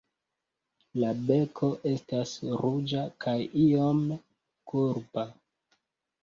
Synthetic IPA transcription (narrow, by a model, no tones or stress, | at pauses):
labe̞kʰo̞ʔe̞stasɾud͡ʒakʰajio̞m | kuɾpa